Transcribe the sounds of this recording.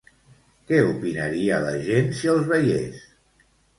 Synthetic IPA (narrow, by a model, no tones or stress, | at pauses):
kɛupinəɾiələʒensiəlˠzβəjḛs